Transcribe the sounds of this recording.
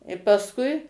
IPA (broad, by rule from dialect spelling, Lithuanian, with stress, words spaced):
ɪ pɐsˈkʊɪ